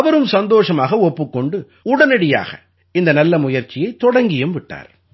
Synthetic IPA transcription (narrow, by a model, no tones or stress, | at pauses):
ɐʋɐɾɯmsɐnd̪oːʂɐmaːɣɐɔpːɯkːɔɳɖɯ | ʊɽɐnɐɽɪja̰ːɣɐ̰ | ɪnd̪ɐnɐlːɐmʊjɐɾt͡ʃɪjɐɪt̪ːɔɽɐŋɡɪjɯmʋɪʈːa̰ːɾ